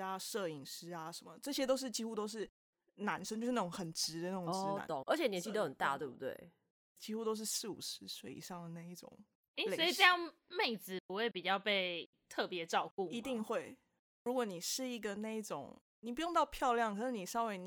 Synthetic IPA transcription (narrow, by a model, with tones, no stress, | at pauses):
a˧ʂɤ˥˩i˨˩ŋʂɻ̩˧˥a˨ʂə˨˦nmə̰˦ʈ͡ʂɤ˥˩ɕjɛ˥t̪o˥ʊʂ̬ɻ̩˥˩t͡ɕi˥xu˥t̪o˥ʊʂ̬ɻ̩˥˩ | na˧˥nʂə˥ŋt͡ɕʂ̩˥na˥˩ʈ͡ʂʊ˨˧˦ŋxə˨˩nʈ͡ʂɻ̩˧˥d̪ə˨na˥˩ʈ͡ʂo˨˦ʈ͡ʂ̪a̰˧˦o˨˦ŋʔə̰˞˧˥t͡ɕʰjɛ˨njɛ˧˦nt͡ɕʰi˥˧t̪ə˥˩ə˨˩nt̪a̰˥˧t̪we˥˩ɪbu˧t̪wḛ˥˩ɪ | t͡ɕi˥xu˥t̪o˥ʊʂ̬ɻ̩˥˧sɻ̩˥˩ṵ˨˩ʂɻ̩˧˥swe˥˩ɪḭ˨˩ʂɑ˥˩ŋd̪ə˩na˥˧ɪi˥˩ʈ͡ʂʊ̰˨˩ŋ˥ | le˨ə˩˥i˨ʈ͡ʂə˥˧jɑ˥˧ŋme˥˩ɪd͡zɹ̩˨˩pu˧˦xwe˥˩ɪpi˨˩t͡ɕɑ˥˧ʊpe˥˧ɪ | t̪ʰɤ˥˩pjɛ˧˦ʈ͡ʂɑ˥˧ʊku˥˨i˧˥t̪i˥˧ŋxwe˥˩ɪ | ɻu˧˥kwɔ˧˦ni˨˩ʂɻ̩˥˩i˧˥ɡə˨na˥˧i˥˩ʈ͡ʂʊ̰˨˩ŋ | ni˨˩p̬u˧˥jŋt̪ɑ˥˧ʊpʰjɑ˥˧ʊljɑ˥˨ŋkʰɤ˨˩ʂɻ̩˥˩ni˨˩ʂɑ˥we˧˥ɪn